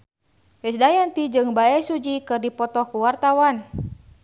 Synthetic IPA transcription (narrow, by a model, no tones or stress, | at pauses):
wɛsdajant̪id͡ʒɨŋbaɛsud͡ʒikɨrdipɔt̪ɔhkuwart̪awan